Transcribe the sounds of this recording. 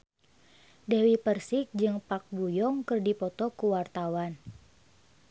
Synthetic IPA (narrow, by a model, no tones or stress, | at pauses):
dɛwipərsik̚d͡ʒɨŋpak̚bujɔŋkɨrdipɔt̪ɔkuwart̪awan